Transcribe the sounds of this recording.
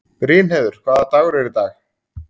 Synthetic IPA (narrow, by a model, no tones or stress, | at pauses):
pɾɪːnhɛðʏɾ̥kʰvaːðat̪aːɣʏɾɛɾɪt̪aːx